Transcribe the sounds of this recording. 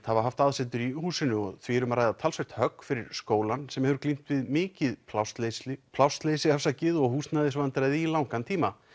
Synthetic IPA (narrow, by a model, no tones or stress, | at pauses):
θhavaɾɦaft̪aðsɛt̪ʏɾihuːsɪnːʏɔɣθʰvɪːɾʏmaɾajðat̪ʰaːlsvœht̪hœkːfɪɾɪɾ̥skoːwlansɛmhɛvʏɾklim̥t̪vɪðmɪːcɪðast̪lpʰlawst̪leːsɪafsacɪðɔɣhuːst̪naðɪsvant̪ɾajðilawŋkant̪ʰiːma